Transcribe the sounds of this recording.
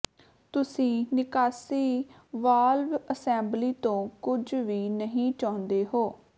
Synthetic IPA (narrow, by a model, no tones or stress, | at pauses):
t̪ʊsĩːnɪkaːsiː | ʋaːlʋəsɛ̃ːmbliːt̪õːkʊd͡ʒʋiːnəɦĩːt͡ʃaːnd̪eːɦoː